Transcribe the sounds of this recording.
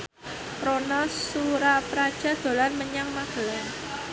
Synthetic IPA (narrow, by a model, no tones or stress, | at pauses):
ɾonasuɾapɾad̥ʒ̥a̤d̪̥o̤lanməɲaŋmaɡ̥ə̤laŋ